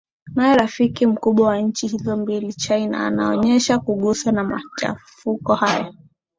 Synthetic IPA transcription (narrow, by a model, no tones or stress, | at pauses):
najɛɾafikim̩kuɓwawaɲ̩t͡ʃihizɔmbilit͡ʃajna̰a̰naɔɲɛʃakuɠusanama̰t͡ʃa̰fukɔhaja